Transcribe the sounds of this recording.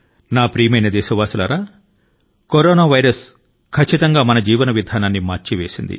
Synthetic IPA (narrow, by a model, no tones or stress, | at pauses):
naːpɾiːɐmɐjnɐd̪ɛːʃɐʋaːsulaɾaː | koɾɔːnaːʋɐjɾɐs | kʰɐt͡ʃːit̪ɐŋɡaːmɐnɐd͡ʒiːʋɐnɐʋid̪ʱaːnaːnːimaːɾt͡ʃiʋe̞ːsind̪ḭ